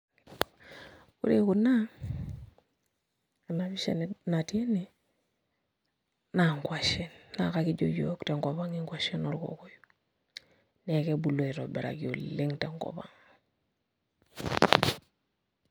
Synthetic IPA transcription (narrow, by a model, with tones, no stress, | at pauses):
kṵ˦ɾe˦ku˨na˦ | a˨na˨bi˦ʃḛnnatie˦ni˦ | na˨ŋkwa˨ʃenːa̰˨kaki˦ɟoɟokte˨ŋko˨ba˦ŋiŋɡwa˨ʃe˦nu˨ɾko̰˨ko˦ju | ne˨ke˦bu˨lo˨i˨ɾo˨be˨ɾa̰˨kio˨li˦ŋte˨ŋko̰˨ba̰ŋ